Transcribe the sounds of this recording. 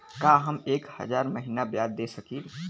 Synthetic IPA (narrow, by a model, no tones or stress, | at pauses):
kaːɦɐmeːkhɐ̰zaːɾməɦiːnabjaːd̪ːeːsɐkiːl